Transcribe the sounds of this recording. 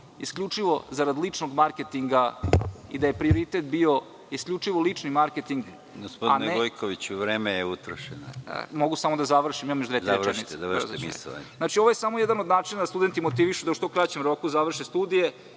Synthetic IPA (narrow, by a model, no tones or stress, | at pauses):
iskʎʲut͡ʂiʋo̞zaɾad̪lit͡ʂnoɡmaɾket̪iŋɡaid̪aje̞pɾioɾit̪et̪̚bio̞ | iskʎʲut͡ʂiʋo̞lit͡ʂnimaɾket̪iŋɡ | ɡospodaineeojkʰoʋit͡ɕuʋɾeːmejeut̪ɾoʃeno̰mo̞ɡusamo̞d̪azaʋr̩ʃimimamjoʒd̪ʋezaʋɾit̪ezaemḭssnat͡ʃioʋojesamojɛd̪anod̪naːt͡ʃinad̪ast̪ud̪e̞nt̪imo̞t̪iʋiʃud̪auʃt̪okɾat͡ɕemɾo̞kuzaʋr̩ʃest̪ud̪ije̞